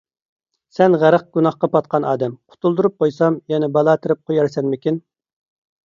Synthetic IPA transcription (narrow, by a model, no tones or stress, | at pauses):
sɛnʁæɾəq̚ɡ̥unɑχqɑpɑt̪̚qʰɑnʔɑ̰ːd̪ɛmqʰʊ̥t̪ʰulˠd̪uɾup̚qʰojsɑmjɛnɪbɑlˠɑːt̪ʰɨɾɪp̚qʰojɑɾsɛnmɪkʲin